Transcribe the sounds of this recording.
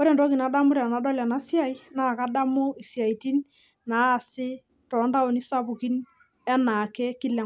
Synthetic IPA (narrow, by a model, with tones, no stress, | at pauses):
ɔ˦ɾɛ˨ntɔ˦ki˨na˨˦da˦mʊ˦ɾa˨na˨˦dɔ˦la˨na˦sja˦˨i˦na˦˨ka˦da˦mo˦i˨sja˨iti˦n | naː˨˦˨sɪ˦ | tɔ˨˦nda˦o˨ni˦sa˦pʊ˨ki˦n | ɛ˦na˨kɛ˦ki˦lɛ˨